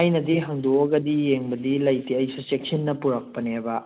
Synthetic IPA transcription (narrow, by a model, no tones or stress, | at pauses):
ajnɐdiɦɐŋdoɐɡɐdijeŋbɐdilɐjteɐjsɐsek̚sinːɐpuɾɐk̚pɐnebɐ